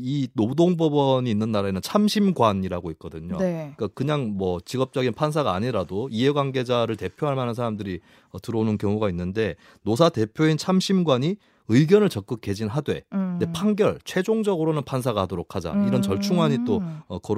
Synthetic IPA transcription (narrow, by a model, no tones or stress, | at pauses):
inodoŋbʌbʌɲiːnːɯnːaɾaenɯnt͡ɕʰamɕʰimɡwaɲiɾaɡoik̚k͈ʌdɯɲo̰neik͈akɯɲaŋmwʌt͡ɕiɡʌp̚t͡ɕ͈ʌɡinpʰans̬ʰaɡaːɲiɾadoiɦe̞ɡwaŋɡe̞d͡ʑaɾɯɭte̞pʰjoɦaɭmanɯns̬ʰaɾamdɯɾi | ʌtɯɾʌnɯnkjʌŋuɡainːɯnde̞ | nosʰate̞pʰjoint͡ɕʰamɕʰimɡwaɲi | ɯiɡjʌnɯɭt͡ɕʌk͈ɯk̚k͈e̞d͡ʑinɦadwe̞̰de̞pʰanɡjʌɭt͡ɕʰwe̞d͡ʑoŋd͡ʑʌɡɯɾonɯnpʰans̬ʰaɡaɦadoɾokʰad͡ʑa̰iɾʌnt͡ɕʌɭt͡ɕʰuŋɦaɲit͈oʌkʌ